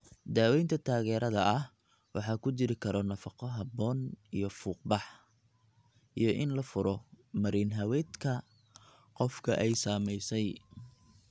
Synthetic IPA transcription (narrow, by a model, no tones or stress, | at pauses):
d̪aːwɛjnt̪ʰɐt̪ʰaːɣɛːɾɐðɐʔɐh | wɑħɑːkʰʊt͡ʃɪɾɪkʰɐɾɔnɐfɑqɔɦɑbɔːnijɞfuːq̚bɑħ | ʔijɞʔɪnlɐfʊɾɔ | mɐɾiːnɦɐwɛːd̪kʰɐ | qɔfkʰɐʔɛjsaːmɛjsɛj